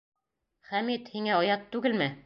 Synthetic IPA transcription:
χæmit̪hiŋæɒjɑt̪ːʉɡɘlmɘ

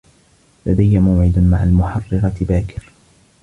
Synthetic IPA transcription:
lad̪ajːamawʕɪd̪maʕalmʊħɑrˤːɑɾɑt̪baːkɪ̥ɾ

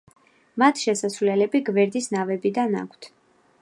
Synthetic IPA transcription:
mat̪ʰʃɛsasvlɛlɛbiɡvɛɾd̪isnavɛbid̪ana̰kʷʰt̪ʰ

